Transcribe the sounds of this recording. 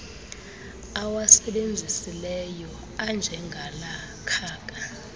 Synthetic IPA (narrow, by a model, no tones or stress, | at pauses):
awasɛɓend͡zʱisilɛjɔ | and͡ʒʱɛŋɡʱala | kʰaːk̬ʼa